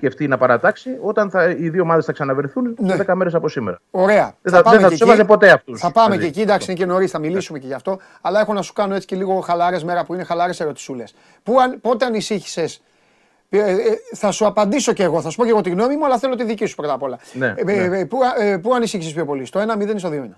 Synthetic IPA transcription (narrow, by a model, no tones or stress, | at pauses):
ceft̪inɐpɐɾɐt̪ɐksio̞t̪ɐnθɐiðioːmɐðesθɐksɐnɐvɾiθunneðekɐme̞ɾesɐpo̞simḛɾɐo̞ɾe̞ɐɐpɐemeθɐt̪esevɐzepo̞t̪e̞ɐft̪usθɐpɐmmeecid̪ɐksiineceno̞ɾisθɐmilisumeceʝɐft̪o̞ | ɐlɐe̞xo̞nɐsu̥kɐno̞e̞t͡si̥celiɣo̞xɐlɐɾe̞zme̞ɾɐpuine̞xɐlɐɾe̞se̞ɾo̞t̪i̥sule̞s | puɐnpo̞t̪eɐnisiçi̥se̞s | pθɐsuɐpɐnd̪iso̞ce̞ːɣo̞θɐsu̥po̞ceɣo̞t̪iɣno̞mimuɐlɐθe̞lo̞t̪iðicisu̥pɾo̞t̪ɐpo̞lɐnepupuɐnisiçisespço̞po̞list̪o̞e̞nɐmiðenist̪oðiominɐ